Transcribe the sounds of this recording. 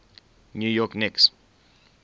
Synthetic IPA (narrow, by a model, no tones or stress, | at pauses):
njujɔknɛks